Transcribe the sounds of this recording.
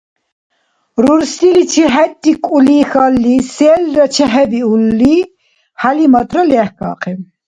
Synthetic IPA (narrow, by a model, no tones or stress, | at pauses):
ɾuɾsilit͡ʃʰiɦɛt̪ʼːikʼulixalːisɛlɾɐt͡ʃʰɛɦɛbiulːi | halimɐt̪ʼɾɔlɛhkɑ̰ːqʰɛm